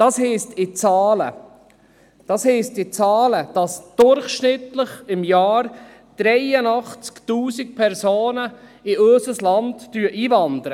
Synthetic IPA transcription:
d̥ɑshɛːstɪt͡sɑːlə̰ | d̥ɑshɛstɪt͡sɑːləd̥ɑsd̥ʊɾχʃnɪtləχɪmjɑːɾ | d̥ɾɛjənɑχt͡sktuːsɪk̚pʰɛɾsoːnəɪøsəslɑntd̥yːəʔiːvɑnd̪əɾə

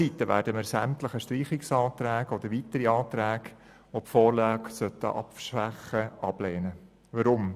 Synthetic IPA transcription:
it̪ːəʋæ̰ːɾdəməɾsæmt̪ləχəʃtriːχɪksɑːt̪ɾæːɡɔd̥̪əɾʋiːt̪əɾiɑːt̪ɾæːɡ | ʋopfoːɾlɑːɡsœt̪ːə̰ʔɑ̰pfʃʋæχəɑb̥leːnə | ʋəɾʊm

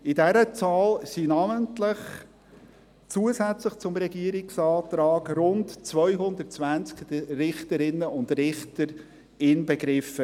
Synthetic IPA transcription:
ɪdɛɾət͡sɑːlsinaməntlɪχ | t͡suəsæt͡sləχt͡sʊmɾɛɡiəɾɪksɑːtɾɑːɡɾʊntt͡svœʏɦʊnd̪ətt͡svænt͡skɾɪχtəɾɪnːəʊndɾɪχtəɾ | ɪnbɛɡɾɪfə

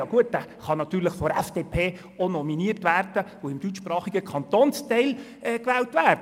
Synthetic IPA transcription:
ɑːɡ̥uət̚dæχɑnɑt̪ːyːɾləχfɔɾɛfd̥eːpʰeː | onɔminiərtʋæːrd̥əoɪmd̥ytt͡ʃʃprɑːχiɡəkʰɑnt̪oːnstɛɪl | ɛkʋɛːltvæːɾd

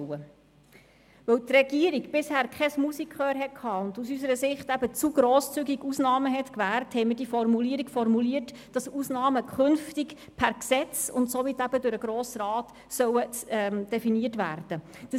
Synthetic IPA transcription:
ə | ʋɵwt̪rɛɡiəɾiɡb̥ɪshæːɾkʰɛsmusikʰχøːɾɦɛt̚kʰɑːʊndusysəɾəsɪχtæb̥ət͡suɡ̥ɾoːst͡syɡiɡusnɑːməɦɛtkʋæːrthɛɪmɪːdifɔrmuliəɾiɡfɔrmuliəɾt | d̥ɑsusnɑːməkχʏnftik | pʰæɾksɛt͡sʊ̰ntsoʋit̪æb̥ədʊɾəɡɾoːsɾɑːt | sœwəmd̥ɛfiniətʋæ̰ːrd̥ə | d̥ə

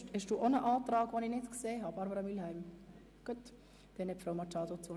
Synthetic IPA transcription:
thɛʃd̥uːʔonəʔɑːt̪ɾɑːɡʋonɪnɪtkseːɦɑbɑɾbəɾɑmilɦæɪm | ɡ̥uət | d̪̥ɛnhɛpfɾaʊmɑt͡ʃɑːd̪ot͡so

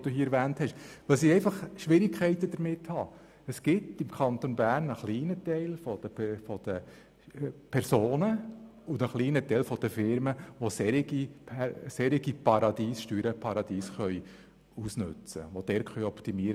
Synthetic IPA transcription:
d̥uːhiːɛɾʋæːnthɛʃʋœls̬iɛɪfɑχʃʋɪɾɪkʰχɛɪt̪əd̪əɾmɪthɑ | əsɡ̥ɪtɪmkʰɑnt̪onbæːɾnəχliːnətɛɪlfɔd̪̥əfɔd̪̥ə | pʰɛɾsoːnəʊndəχliːnətɛɪlfɔd̥̪əfɪɾməʋosɛɾɪɡipʰɛsɛɾiɡipɑɾɑd̪iːsʃtyːɾəpʰɑɾɑd̪iːsχœʏ | usnʉ̰t͡sə̰ʋod̥̪ɛɾkχœʏɔpt̪imiːɾ

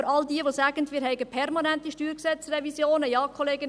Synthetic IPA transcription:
ɾɑldiəʋosæːɡ̥ən̩dmiːɾɦɛɪɡəpʰɛrmɑnæntiʃtyːɾksɛt͡srɛvisjoːnəjɑːkʰɔleːɡə

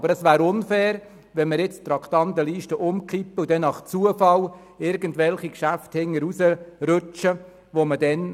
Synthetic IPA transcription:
bəɾəsʋæːɾʊnfɛːɾ | ʋɛnməɾjɪt͡st̪ɾɑkʰt̪ɑnt̪əliːʃtəʔʊmkʰipːəud̥ɛnːɑχt͡suəfɑl | ɪɾɡəntʋɛlχikʃæfthɪŋːəɾusəɾøt͡ʃə | ʋomədɛn

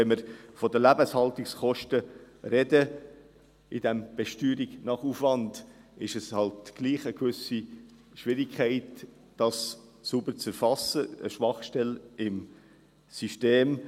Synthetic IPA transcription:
ɛnmɪɾfɔdəlæbəshɑltikskɔʃtə | ɾɛdə | id̥æmb̥ɛʃtyːɾiɡnɑχufvɑnd | ɪʃɛshɑltɡ̥liːχəkʋʏsi | ʃʋɪɾikʰχæɪt | d̥ɑssubəɾt͡sɛɾfɑsəə̰ʃʋɑχʃtɛlɪm | syʃteːm

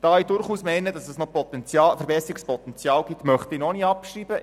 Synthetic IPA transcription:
d̥ɑːidʊɾχuːsmɛɪnədɑsɛsnɔpɔt̪ɛnt͡sjɑːfɛɾbɛsɾikspɔt̪ɛnt͡sjɑːlɡ̥itːmœχt̪ɪnoniːɑpʃriːbə

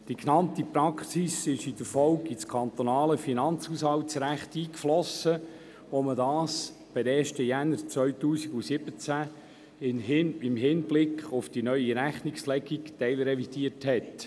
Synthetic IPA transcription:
d̥iknɑnt̪ipɾɑksisɪʃɪd̥əɾfɔwkit͡skʰɑnt̪onɑːləfinɑnt͡shuːshɑwtsɾæχt̪iːkflɔsə | ʋomədɑːs | b̥ɪdɛːʃtəjænːəɾt͡sʋœʏtuːsiɡusɪbət͡sæ | ɪnɦɪnɪmɦɪnblɪkχʊfd̥inœʏiɾæχnikslɛɡiktɛɪlɾɛvid̥iəthɛt

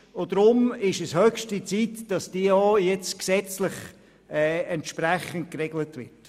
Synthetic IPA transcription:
ʊd̥ɾʊmɪʃəshœkʃtit͡siːtd̥ɑsd̥iːəoːjɛt͡sksɛt͡slɪχ | ɛːɛntʃpɾɛχənt̚krɛɡlətʋɪ̰t

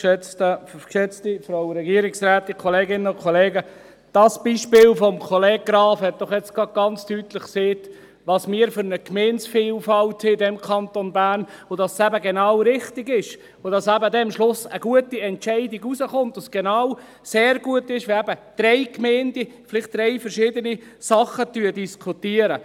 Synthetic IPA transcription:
ʃɛt͡stəkʃɛt͡stifɾoʊɾɛɡiəɾɪksɾæːtikʰɔleːɡɪnəʊkʰχɔleːɡə | d̥ɑsb̥iːʃpɪːlfɔmkʰɔleːɡ̚ɡɾɑːfhɛt̚d̥ɔχjɛt͡sɡ̥ɾɑd̚ɡ̥ɑnt͡stytləχkseːt | ʋɑːsmiːɾfʏɾnəkmeːnsfiːlfɑltsɪdɛmkʰɑntonbæːnod̥ɑssæbəɡenɑwɾɪχtɪɡɪʃ | odɑsæbədɛmʃlʊsəɡ̥uətiɛntt͡ʃɛɪdɪɡuzəχʊnt̪osɡ̥enɑw | seːɾɡ̥uətɪʃʋeæbəd̪̥ɾɛɪkmeːndifɪlɪχt̚d̥ɾɛɪfɛɾʃɪːdənisɑχətyːədiskʰutiəɾə

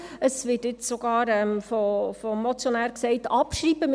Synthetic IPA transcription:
əsʋɪːtɪt͡ssoɡɑːɾɛmfofɔːɔt͡sjonæːɾksɛɪtɑpʃɾiːbəm

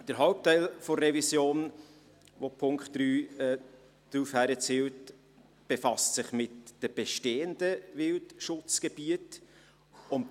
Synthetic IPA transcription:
d̥əɾɦaʊp̚tæɪlfɔrɛvisjoːn | vopʰʊŋkχtd̥ɾyːɛ | d̥ɾufhæɾət͡siːwt | b̥efɑstsɪχmɪtd̥əb̥ɛʃteːəndəvɪltʃʊt͡sɡ̥ɛb̥iət | ʊn

